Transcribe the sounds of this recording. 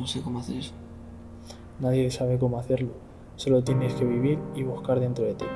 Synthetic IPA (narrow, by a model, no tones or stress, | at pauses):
osekomoaθeɾ | naðje̞saβe̞k̬o̞moaθe̞ɾlo | so̞lo̞t̪je̞neske̞βiβ̞iɾiβuskaɾðe̞nt̪ɾoðet̪ḭ